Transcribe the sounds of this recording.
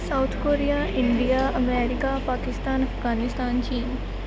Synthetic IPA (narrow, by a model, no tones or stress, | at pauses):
saʊt̪ʰkoːɾijaɪɳɖijaɐmɛːɾɪkapaːkɪst̪aːnɐfɡaːnɪst̪aːnt͡ʃiːn